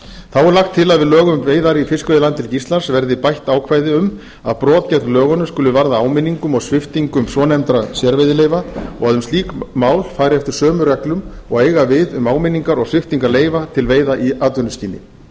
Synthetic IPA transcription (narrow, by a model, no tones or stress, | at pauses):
θawɛɾlaxt̪ʰːɪlaðvɪðlœːɣʏmveːjðaɾifɪskvejðɪlant̪ːʰɪlcist̪lansvɛɾðɪpajht̪aːwkʰvaːjðɪʏm | aðpɾɔːðcɛt̪nlœːɣɔnːʏ̥skʏːlːʏvaɾðaaːwmɪnːiŋkʏmɔɣsvɪft̪iŋkʏmsɔːnɛmt̪ɾasjɛɾvejðɪleːjvaɔɣaðʏmst̪iːkmaːwlfaːɾɪɛft̪ɪ̥sœːmʏɾɛklʏm | ɔɣeːjɣavɪðʏmaːwmɪnːiŋkaɾɔɣsvɪft̪iŋkaɾleːjvat̪ʰɪlveːjðaʔiaːt̪vʏnʏsciːnɪ̰